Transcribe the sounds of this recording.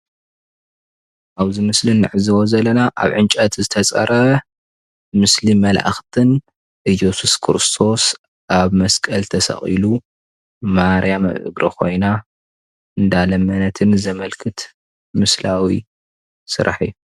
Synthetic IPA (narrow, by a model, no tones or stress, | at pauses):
ʔaβzɨmɨslinːɨʕɨzɨwozɐlɐnaʔa̰βʕɨnt͡ʃʼɐt̪zɨt̪ʰɐt͡sʼɐ̰ɾʔɐ | mɨslimɐlʔa̰xt̪ʰɨn | ʔɨjesuskʰɨɾɨst̪ʰo̞s | ʔaβmɐskʼɐlt̪ʰɐsɐ̰χʼḭlu | maɾjamɐ̰βʔɨ̰ɡɾɐkʰo̞̰jna | ɨnd̪alɐmɐnɐt̪ʰɨnzɐmɐlkʰɨt̪ | mɨslawḭ | sɨ̰ɾʔa̰ħiu